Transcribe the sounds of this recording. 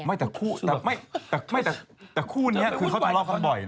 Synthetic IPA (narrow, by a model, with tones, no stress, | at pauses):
ma˥˩jt̪ɛː˨˩kʰuː˥˩t̪ɛː˨˩ma˥˩jt̪ɛː˨˩ma˥˩jt̪ɛː˨˩t̪ɛː˨˩kʰuː˥˩n˧i˥ɐɯː˧kʰa˦˥˩a˧lɔː˧˩kʰa˥˧˩bɔ˨˩j